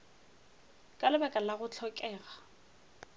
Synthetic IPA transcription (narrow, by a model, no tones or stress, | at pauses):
kʼalɪbakʼalaɣʊt͡ɬʰɔkʼɛːɣa